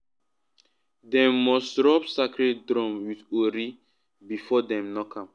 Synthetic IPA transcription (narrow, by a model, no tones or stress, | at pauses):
dɛ̃mːɔsdɹɔpsakɹeddɹɔ̃mwidoɾi | bifɔdɛ̃mnɔkʰãm